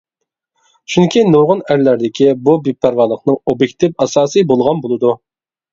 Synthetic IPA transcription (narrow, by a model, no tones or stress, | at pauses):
t͡ʃʰyŋkʲʰinoʁʊnæɾlæɾd̪ɪkʲibubepʰːæɾvɑlˠəqnɨŋobjek̚ʲt̪ʰɨfɑsɑːsɨjbolˠʁɑnbolˠɨd̪u